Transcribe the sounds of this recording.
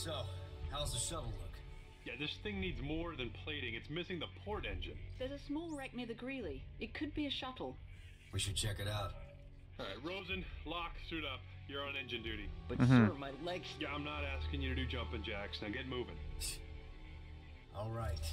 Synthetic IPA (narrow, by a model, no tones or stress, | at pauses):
sohaʊzɨʃʌɾl̩ˠlʊk | jæðɪsθɪ̃ŋnidzmɔɹðɨ̃npʰl̥eɪɾɪ̃ŋɨtsmɪsɪ̃ŋðəpʰɔɹɾɛ̃nd͡ʒɨ̰̃nðə˞zɨsmɔlˠɹɛk̚nɪðɨɡɹilˠiɨt̚kʰɨd̚biɨʃʌɾl̩ˠ | wiʃɨd̚t͡ʃʰɛkɨɾaʊt̚ | ɹoʊzɨ̃nlɑksʉɾʌp̚ | jə˞ə̃nɛ̃nd͡ʒɨ̃ndʉɾib̥ʌsəmaɪlaɪkjæãɪ̃mnəɾæskɪ̃ŋjɨɾɨɾɨd͡ʒʌ̃mpɨ̃nd͡ʒæksnaɡɛt̚muvɪ̰̃ŋ | ʔɔlˠɹaɪt̚